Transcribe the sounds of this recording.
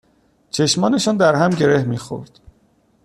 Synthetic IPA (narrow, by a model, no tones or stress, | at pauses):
t͡ʃʰe̞ʃmɒːne̞ʃɒːnd̪æɾɦæmɟe̞ɾe̞hmiːxo̰ɾd̪̥